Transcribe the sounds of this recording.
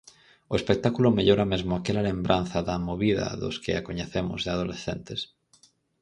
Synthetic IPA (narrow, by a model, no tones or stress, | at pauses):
oespek̚t̪akulʊmeʎoɾamezmoakelalembɾʔan̟θɐðamoβiðɐ̰ðʊ̰skɪ̰akoɲeθemʊ̰zðɪað̞olesθent̪es